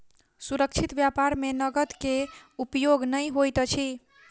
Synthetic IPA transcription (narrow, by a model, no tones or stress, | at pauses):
suɾəkt͡ʃʰit̪bjapaɾmenəɡət̪keupjoɡnəjɦojt̪t͡ʃʰi